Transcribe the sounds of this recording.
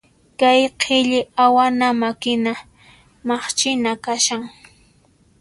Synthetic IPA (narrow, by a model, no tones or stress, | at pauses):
kajqʰɪʎɪawanamakɪna | mɑχt͡ʃɪnakaʃaŋ